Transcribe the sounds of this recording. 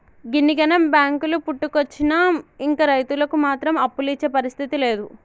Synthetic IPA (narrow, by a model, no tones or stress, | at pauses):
ɡiniɡɐnɐmbjaːŋkulupuʈːukot͡ʃːinɐiŋkɐɾɐjt̪ulɐkumaːt̪ɾɐmɐpːulit͡ʃːeːpɐɾist̪ʰit̪ile̞ːd̪u